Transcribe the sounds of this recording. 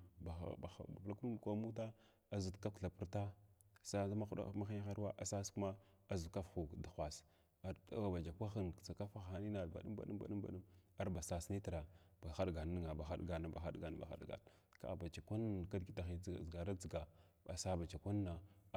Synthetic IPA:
ba˨a̰˦˨ba̰˨˦˨ba̰˨vla˦ku˦n˦˨kʷa˦mu˦ta˦ | a˦zu˨tka˦kɬa˨pu˦ɾta˦sa˦a˦ma˦u˦ɗa̰˦ma˦xi˦xa˦ɾwa˦ʔa˨sa˦sku˦ma˦ | a˦zu˨ka˦fxu˨da˨xʷa˨s | a̰˦a˨ba˨d͡ʒa˨kʷa˦xi˦n˨t͡sa˨ka˦fa˦xa˨ni˦na˨ba̰˨ɗu˦mba̰˨ɗu˦mba̰˨ɗu˦ba̰˨ɗu˦ma˦ɾba˨sa˨sni˦ti˨ɾa˨b̥a˨xa˦ɗɡa˨n˦i˦ŋa˨ba˨xa̰˦ɗɡa˨na˨ba̰˨xa̰˦ɗɡa˨n˨ba̰˨xa̰˨ɗɡa̰˨n | ka̰˨ba˨t͡ʃa˨ka˦nka˦dɡi˨ta˨xi˨˦˨ɡa˨ɾa˦d͡zi˨ɡa˨ | a˨sa˦ba˨t͡ʃa˨kʷa˦nːa˨

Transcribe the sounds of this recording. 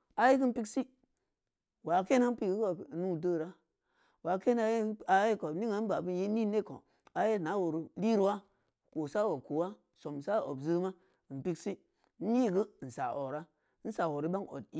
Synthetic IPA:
a˨je˦k̬i˦m̩˦pi˦ksi˦ | wa˨ke˦na˦n˦pi˦ɡi˦ko˨nu˦˨də˦˨ɾa˦ | wa˨ke˦na˦je˦a˨je˦ko˨ni˦ŋa˨˦n˦ba˨bi˦n˦je˦ni˦ne˦ko̰˨ | a˨je˦˨na˨˦wo˨ɾi˨li˦ɾwa˦ | ko˨sa˦wo˨ku˨wa˦ | so˨m˨sa˦o̰˨bzə˦ma˦˨ | m̩˨pi˦ksi˦ | n̩˦i˦˨ɡə˦˨n̩˨sa˨ʔo˨ɾa˦ | n̩˦sa˨wo˨ɾi˦ba˦ŋo̰˨ti˦

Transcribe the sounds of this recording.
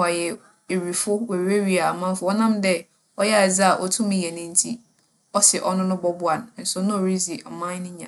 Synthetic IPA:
a˨jɛ˨ | e˨ɾi˨fʊ˦we˨˦e˦ɥi˦a˨a˨mã˦m˦fʊ˨˦ɔ˦nã˦mdɛ˦ | ɔ˦jɛ˦˨ɛ˨za˦a˨ʔɔ˨tʰũ˦mɪ̃˦je˨nɪ̃˦n̩˦tʰi˦ | ɔ˦sɪ˨ʔɔ˦nʊ̃˦nʊ̃˦bɔ˦bʊ˦a˨nʊ̃˨˦n̩˦sʊ˨˦nʊ̃˦o˨ɾi˦zi˨ʔa̰˨mã˦nɪ̃˦ɲã̰˨

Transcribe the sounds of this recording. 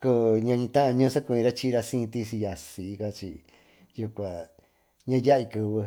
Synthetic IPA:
ko˧ɲã˧ɲĩ˧t̪ã˦ʔã˧ɲũ˦˧sa˦kũ˧ĩ˧ɾa˦t͡ʃi˦˧ɾa˧sĩ˦˧t̪i˧si˧ja˧si˨˧ka˧t͡ʃi˧ | ju˧kʷa˨ | ɲã˦˧ja˦i˧kɨ˧βɨ˧

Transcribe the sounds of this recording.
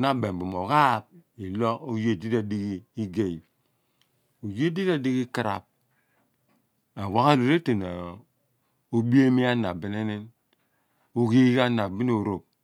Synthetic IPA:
na˦be˨m˨bu˨mo˨ka˦˨p̚i˨lo˦o˦je˨di˦da˨di˦ɡi˦i˦ɡe˦i˨ | o˨je˦di˦da˦di˦ki˦ki˨ɾa̰˨p̚ | a˨wa˦ɣa˦ɾo˨ɾe˦te˨na˨ | o˦bi˦e˦mi˦a˦na̰˨bi˨n˦e˦ne˦n | o˦ki˦ɡa˦na˨bi˦n˦o˨ɾo˨p̚

